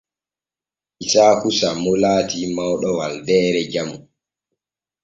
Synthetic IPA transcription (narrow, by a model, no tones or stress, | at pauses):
ʔisaːkusamɔlaːtimawɗɔwaldɛːɾɛd͡ʒamu